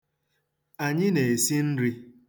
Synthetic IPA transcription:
a˨ɲɪ˦ne˨e˨si˦n̩˦ɾi˦

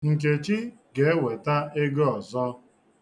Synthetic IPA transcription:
ŋ̩˨ke˨t͡ʃi˦ | ɡe˨˦e˦we˨ta˦e˦ɡɔ˨zɔ˦

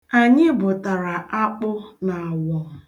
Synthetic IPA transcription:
a˨ɲɪ˦bʊ˨ta˨ɾa˨ʔa˦k͡pʊ˦na˨a˨wɔ˨ŋ̩˨

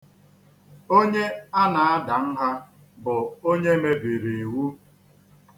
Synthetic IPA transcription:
o˦ɲe˦a˦na˨a˦da˨n̩˦ɦa˦ | bʊ˨o˦ɲe˦me˦bi˨ɾe˨wu˦

